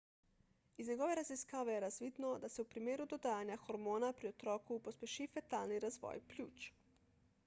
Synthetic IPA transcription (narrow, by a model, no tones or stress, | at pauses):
izɲɛɡoʋeɾaziskaːʋejɛɾazʋiːd̪nɔd̪asɛupɾimeːɾud̪od̪aːjanjaxoɾmoːnapɾiot̪ɾɔːkupospʲjeʃifet̪aːlniɾazʋɔ̰ːjplʲjṵːt͡ʃ